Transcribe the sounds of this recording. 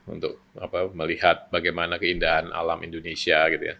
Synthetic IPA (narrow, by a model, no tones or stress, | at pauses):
ṵnt̪ʊk̚apaməlihat̪̚baɡajmanakəindaɦanʔa̰lamindonesiaɡit̪uja̰